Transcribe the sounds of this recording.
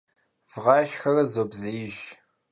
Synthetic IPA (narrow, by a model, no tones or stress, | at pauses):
v̥ʁɑːʃxɐrɐzoːbzɐjɪʒ